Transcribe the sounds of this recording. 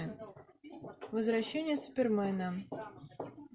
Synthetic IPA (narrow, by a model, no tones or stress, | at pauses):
vəzvɾɐɕːenʲɪjəspʲɪrmɛnə